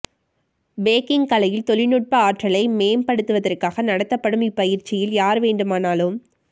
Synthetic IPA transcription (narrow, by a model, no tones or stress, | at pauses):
beːkɪŋkɐlɐjɪlt̪ɔɭɪnɯʈ̚pɐaːʈrɐlɐɪmeːmpɐɽɯt̪ːɯʋɐðɐrkaːɣɐnɐɽɐt̪ːɐpːɐɽɯmɪpɐjɪɾt͡ʃːɪjɪljaːɾʋeːɳɖɯmaːnaːlɯm